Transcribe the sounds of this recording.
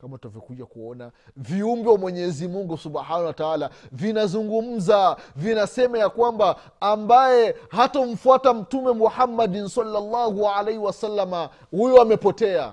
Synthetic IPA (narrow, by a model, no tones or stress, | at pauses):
kamatavjɔkuʄakuɔnaviumbɛwamwɛɲɛzimuŋɡusubħanawataalavinazuŋɡum̩zavinasɛmajakwambaː | mbajɛhatɔm̩fuatam̩tumɛmuħamːadinsalːalːahualejhiwasalːama | hujɔamɛpɔtɛa̰